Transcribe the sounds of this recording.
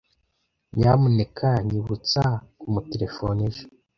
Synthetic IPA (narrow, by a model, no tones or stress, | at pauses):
ɲamunekʰaɲiβut͡sakumuteɾefoneʒo̥